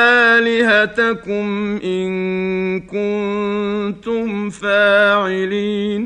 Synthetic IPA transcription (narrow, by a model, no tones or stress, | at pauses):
aːlɪɦat̪akʊmʔɪnkʊnn | t̪ʊmfaːʕɪliːn